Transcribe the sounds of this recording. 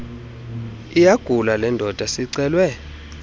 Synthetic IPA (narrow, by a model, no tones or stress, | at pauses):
ijaɡ̥ʱulalɛndʱɔd̥ʱasiǀɛːlwɛ